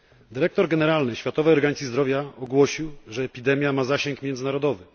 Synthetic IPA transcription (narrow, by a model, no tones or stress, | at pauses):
d̪ɘɾɛk̚t̪ɔɾɡɛnɛɾalnɘɕfʲjat̪ɔvɛjɔɾɡaɲt̪ʲizd̪ɾɔvʲjaɔɡwɔɕiwʐɛːpʲid̪ɛmʲjamazaɕɛŋkmʲjɛnd̪zɘnaɾɔd̪ɔvɘ